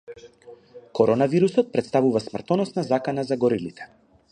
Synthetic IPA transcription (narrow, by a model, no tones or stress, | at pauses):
kɔɾɔnaviɾusɔt̪̚pɾɛt̪st̪avuvasmr̩t̪ɔnɔsnazakanazaɡɔɾilit̪ɛ̥